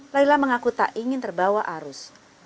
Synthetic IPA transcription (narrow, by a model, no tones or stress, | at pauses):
lailahməŋakut̪a̰ʔiŋɪnt̪ərbawaʔaɾʊs